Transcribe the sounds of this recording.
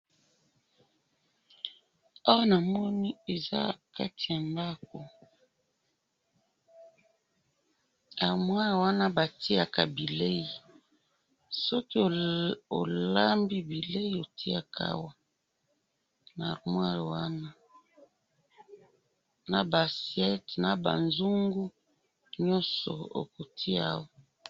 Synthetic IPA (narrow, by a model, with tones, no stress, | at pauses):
a˦wɔ˦na˨mɔ˦ni˦e˨za̰˦ka˦ti˨ja˨mba˦ko˨ | a˨ʁmwa˦˨wa˦na˦ba˨ti˦a˨ka˨bi˨le˦i˨ | sɔ˦ki˦˨o˨la˦mbi˦bi˨le˦i˦o˨ti˦a˨ka̰˦˨wa˦˨ | na˨ʁmwa˦˨wa˦na˦ | na˨ba˨sjɛ˦tna˨ba̰˨nzu˦ŋɡu˦ | ɲɔ˦sɔ̰˨o̰˨ko˨tʰi˦a˦˨wa˨